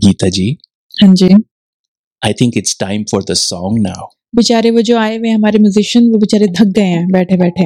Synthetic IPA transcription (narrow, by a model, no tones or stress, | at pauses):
ɡiːt̪ad͡ʒiː | hãɲd͡ʒiː | aɪt̪ʰɪ̃ŋkɪʈsʈãɪ̃mfɔɾd̪əsɔ̃ːŋnaʊ | bɪt͡ʃaːɾeʋod͡ʒoːaːeʋẽɦɐmaːɾemjʊzɪʃənʋobɪt͡ʃaːɾẽd̪ʱɐk̚ɡɐeɦɛ̃ːbɛːʈʰebɛːʈʰẽ